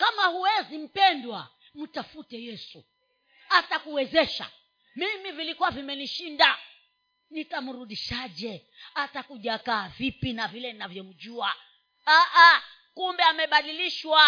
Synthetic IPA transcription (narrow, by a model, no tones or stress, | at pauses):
kamahuwɛzim̩pɛndwa | m̩tafutɛjɛsu | hatakuwɛzɛʃa̰ | mimivilikuwavimɛniʃinda | nitamuɾuɗiʃaʄɛ | atakuʄaːkaːvipinavilɛninavjɔm̩ʄua | aʔa | kumbɛamɛɓaɗiliʃwa